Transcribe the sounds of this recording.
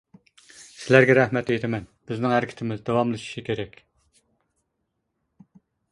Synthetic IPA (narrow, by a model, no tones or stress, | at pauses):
sɪlæɾɡʲɛɾæhmɛt̪ejt̪ʰɪmɛnb̥ɪznɪŋhæɾɪkʲʰɪ̥t̪ʰɪmɪzd̪ɑwɑmlˠɨʃi̥ʃikʲeɾɛkʲ